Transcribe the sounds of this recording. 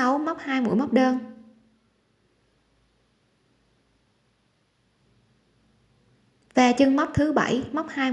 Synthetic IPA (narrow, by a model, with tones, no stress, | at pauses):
a˨˦wm˦˥k͡p̚haː˧jmṵ˧˩˨jmə˦˥k͡p̚ɗəː˧n | ve˨˩t͡ɕɨ˧ŋma˦˥wk͡p̚t̪ʰɨ˨˦ɓə̰˧˩jma˦˥k͡p̚haː˧j